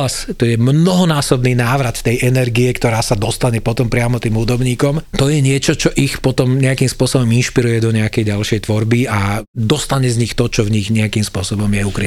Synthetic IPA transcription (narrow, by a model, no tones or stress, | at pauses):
ast̪ɔjɛmnɔɦɔnaːsɔbniːnaːʋɾat̪t̪ːɛjʔɛnɛɾɡiɛkt̪ɔɾaːsad̪ɔst̪aɲɛpɔt̪ɔmpɾɪamɔt̪iːmɦud̪ɔbɲiːkɔmt̪ɔjɛɲɪɛt͡ʃɔt͡ʃɔʔixpɔt̪ɔmɲɛakimspʊɔsɔbɔminʃpiɾujɛd̪ɔɲɛakɛjɟalʃɪɛjt̪ʋɔɾbiad̪ɔst̪aɲɛzɲixt̪ɔt͡ʃɔvɲiɣɲɛakimspʊɔsɔbɔmjɛukɾi